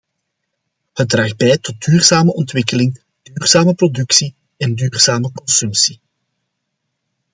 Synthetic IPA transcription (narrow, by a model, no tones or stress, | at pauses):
hət̚draːxd̚bɛːjtɔt̚dyːrz̥aːməʔɔntwɪkəlɪŋ | d̥yːrz̥aːməprɔdʏksi | ɛndyːrz̥aːməkɔnsɵmsi̥